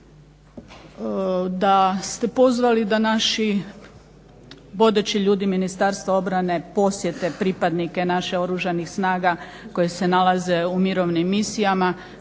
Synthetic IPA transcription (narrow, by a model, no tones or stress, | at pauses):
d̪ast̪e̞po̞zʋalid̪anaʃi | bo̞d̪et͡ɕiʎuːd̪iminist̪aɾst̪ʋao̞bɾane̞po̞sje̞t̪e̞pɾipad̪nike̞naʃeo̞ɾuʒanixsnaːɡako̞jese̞nalaze̞umiɾo̞ʋnimːisijama